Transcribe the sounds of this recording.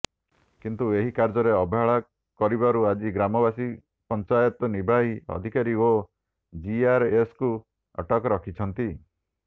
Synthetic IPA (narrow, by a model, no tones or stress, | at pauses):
kint̪ueɦikaɾd͡ʒɔɾeɔbʱɦaɭa | kɔɾibaɾuad͡ʒiɡɾamɔbasi | pɔnt͡ʃajɔt̪ɔnibʱaɦiɔ̰d̪ʱikaɾio | d͡ʒiaɾesku | ɔ̰ʈɔkɔɾɔkʰit͡ʃʰɔnt̪i